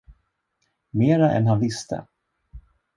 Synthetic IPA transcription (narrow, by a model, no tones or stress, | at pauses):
meːɾaʔɛ̰nɦanvɪst̪ʰə̰